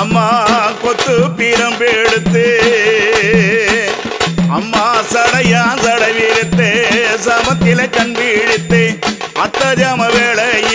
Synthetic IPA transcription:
ɐmːaːkɔt̪ːɯpiːɾɐmpiɽɯt̪ːɯ | ɐmːaːsɐɽɐjaːnsɐɽɐɪʋiɾɯt̪ːɯsɐmɐt̪ːɪlɐkɐnbiɽɪt̪ːɯɐt̪ːɐd͡ʒaːmɐʋeːɭɐj

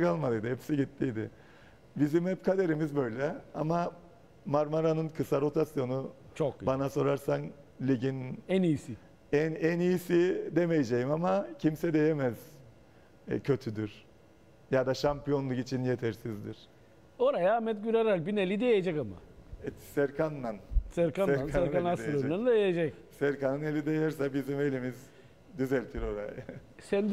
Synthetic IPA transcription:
kalˠmalˠɯjd̪ɯhɛpsiɟit̪ːijd̪ɪ | bizimhɛpkʰad̪e̞ɾimizbø̞jlʲɛama | maɾmaɾanɯnkʰɯsaɾo̞t̪ʰasjo̞nu | t͡ʃʰokbanaso̞ɾaɾsanlʲiɟinɛnijisi | ɛnænijisid̪eme̞jed͡ʒejimamacʰimsɛd̪e̞je̞mɛz̥ | ɛ̰cʰø̞t̪ʰyd̪yɾ̥ | jad̪aʃampijo̞nlˠukit͡ʃʰinjet̪ʰɛɾsizd̪iɾ̥ | o̞ɾajaːmɛt̪ɟyɾeɾælʲbinelʲid̪ejed͡ʒɛkama̰ɛsɛɾkʰanːansɛɾkaansɛɾkanasloɾand̪ajed͡ʒɛc | sæɾkanɯnelʲid̪ejaɾsabizime̞lʲimiz | d̪yzælʲt̪ʰiɾo̞ɾa̰j | sɛn

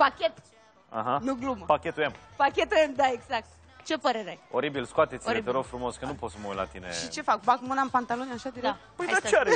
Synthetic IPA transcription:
pakʲet̪ | a̰ɦanuɡlumpakʲet̪uempakʲet̪uemd̪aeɡzak̚t̪ | t͡ʃe̞pəɾeɾeaoɾibilskoat̪et̪siet̪eɾofɾumo̞skənupot̪səməujla̰t̪ineʃit͡ʃe̞fak̚bakmɨnaɨnpant̪alonaʃad̪iɾekk̚t̪pəjd̪aeaɾe

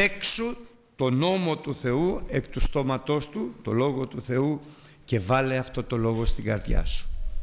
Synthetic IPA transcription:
eksu | t̪o̞no̞mo̞t̪uθe̞ue̞kt̪ust̪o̞mɐt̪o̞st̪ut̪o̞̰lo̞ɣo̞t̪uθe̞u | ce̞vɐleɐft̪o̞t̪o̞lo̞ɣo̞st̪iɡɐɾðʝɐ̰su̥

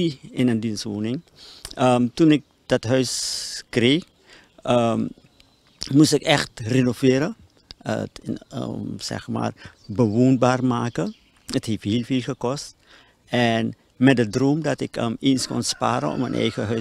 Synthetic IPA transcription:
iɪnəndinsʋoːnɪŋ | əmtunɪk̚ | d̥ɑtɦœɥskrex | əm | mustɪkɛxtrenovɪːɾə | ə̰tə̰sɛ̰xma̰ːrbəʋoːnbaːrmaːkə | ətɦefhiːlfiːlxəkɔst | ɛn | mɛdədroːmdɑtɪkəmenskɔ̰nspa̰ːɾə̰nɔ̰mə̰nʔɛ̰jɣəɦœ

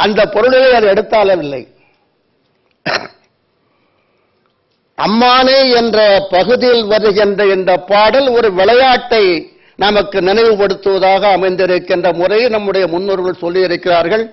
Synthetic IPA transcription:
ʔɐnd̪ɐpːɔɾɯɭɪlɐɪɐðɯɛɽɯt̪ːaːlɐʋɪlːɐɪ | ʔɐ̰mːaːneːɛndrɐpɐɣɯðɪjɪlʋɐɾɯɣɪndrɐɛndɐpːaːɽɐlɔɾɯʋɪɭɐjaːʈːɐɪ | nɐmɐkːɯnɪnɐɪʋɯpɐɽɯt̪ːɯʋɐðaːɣɐːmɐɪnd̪ɪɾɯkːɪndrɐmʊrɐjnɐmːɯɽɐjɐmʊnːuːɾɣɐɭsɔlːɪjɪɾɯkːɪraːɾɣɐɭ

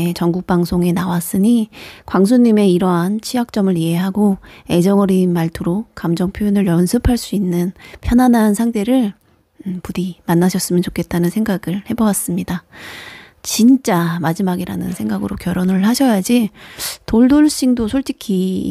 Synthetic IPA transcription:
t͡ɕʌŋɡuk̚p͈aŋsʰoŋe̞nawas͈ɯɲikwaŋsʰuɲːime̞iɾʌɦant͡ɕʰiak̚t͡ɕ͈ʌmɯɾie̞ɦaɡoe̞d͡ʑʌŋʌɾinmaɭtʰɯɾokamd͡ʑʌŋpʰjojinɯɭjʌnsʰɯpʰaɭs͈uinːɯnpʰjʌnɦanɦansʰaŋtʰe̞ɾɯɭ | pudimanːaɕʰʌs͈ɯmjʌnt͡ɕokʰe̞t̚t͈anɯnsʰe̞ŋɡaɡɯɭhe̞bʌwas͈ɯmɲida | t͡ɕint͡ɕ͈amad͡ʑimaɡiɾa̰nɯnsʰe̞ŋɡaɡɯɾokjʌɾonɯɭɦaɕʰʌjad͡ʑitoɭdoɭɕ͈iŋdosʰoɭt͡ɕ͈ikʰi

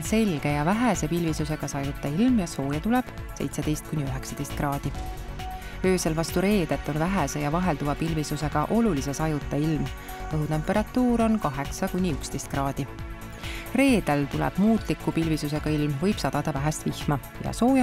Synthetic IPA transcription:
se̞lʲɡ̥e̞jɑvæɦæse̞pilvisuse̞ɡ̥ɑsɑjut̪ːˑɑilmjɑso̞ːjɑt̪ulɛb̥se̞̰jt̪se̞d̪̥e̞jst̪̚kunʲiøɦeksɑ̥t̪e̞jst̪krɑːd̪̥i | ø̞ːse̞lvɑst̪uɾe̞ːd̪̥et̪ːˑo̞nvæɦɛse̞jɑvɑɦe̞ld̪uvɑpilvisuse̞ɡ̥ɑʔo̞lulise̞sɑjut̪ːˑɑilm | pɤɦut̪e̞mpːˑe̞ɾɑt̪ːˑuːɾo̞nkɑɦe̞ksɑkunʲiykst̪e̞jst̪krɑːd̪̥i | re̞ːd̪̥elt̪ulɛ̰b̥muːt̪ˑlikːˑupilvisuse̞ɡ̥ɑilmvɤjb̥sɑd̪̥ɑd̪̥ɑvæɦæst̪vihmɑ | jɑ̰so̞ːjɑ

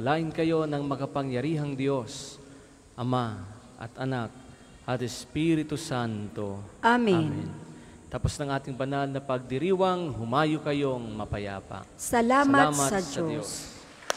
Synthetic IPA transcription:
ɐlaːʔɪnkɐjo̞nɐŋmɐkɐpɐŋjɐɾiːɦɐŋd̪jo̞s | ʔɐma | ʔɐ̰t̪ʔɐnak̚ | ʔɐt̪ɛspiɾɪt̪usant̪o̞ʔaminmḭn | t̪aposnɐŋʔaːt̪ɪŋbɐnalnɐpɐɡ̚d̪ɪɾiːwɐŋɦʊmaːjokɐjo̞ŋmɐpɐja̰ːpɐ̰sɐlaːsmɐltaːmɐsɐd͡ʒsɐojos

